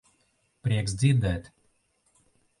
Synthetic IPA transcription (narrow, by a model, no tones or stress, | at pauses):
pɾʲiɛksd̪ziɾd̪ɛːt̪